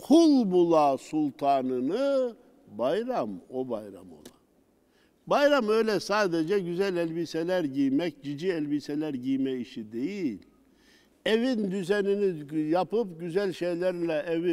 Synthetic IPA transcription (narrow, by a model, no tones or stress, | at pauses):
kʰulˠbulˠasulˠt̪ʰaːnɯnɯ | bajɾamo̞bajɾa̰mo̞̰lˠa̰ | bajɾamø̞jlʲɛsaːd̪ed͡ʒɛɟyzælʲɛlʲbisɛlʲæɾɟijmɛcɟid͡ʒiɛlʲbisɛlʲæɾɟijmɛiʃid̪ejilʲ | evind̪yzɛninijapɯpɟyzælʲʃejlʲæɾlʲɛʔevi